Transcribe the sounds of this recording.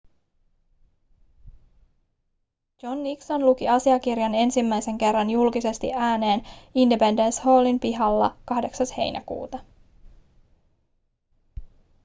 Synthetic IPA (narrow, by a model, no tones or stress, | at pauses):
d͡ʒo̞nːikso̞nlukiɑsiɑk̟irjɑne̞nsimːæjse̞ŋke̞rːɑnjulkise̞st̪ḭʔæːne̞ːnindepe̞nde̞nsho̞ːlimpiɦɑlːɑkɑhde̞ksɑshe̞̰jnʔæ̰kṵːt̪ɑ